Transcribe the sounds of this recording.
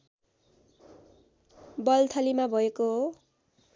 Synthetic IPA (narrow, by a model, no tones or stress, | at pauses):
bʌlt̪ʰʌlimabʱʌekoɦo